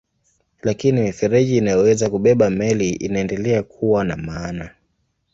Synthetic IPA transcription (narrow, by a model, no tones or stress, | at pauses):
lakinimifɛɾɛʄiːnajɔwɛzakuɓɛɓamɛliʔḭnaɛndɛlɛakʰuwana̰maːna